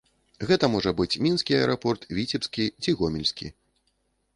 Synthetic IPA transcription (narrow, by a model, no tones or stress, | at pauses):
ɣɛt̪ɐmɔʐɐbɨt͡sʲmʲinskʲiɐɛɾʔɐpɔrt̪vʲit͡sʲɛpskʲit͡sʲiɣɔmʲilʲsʲkʲḭ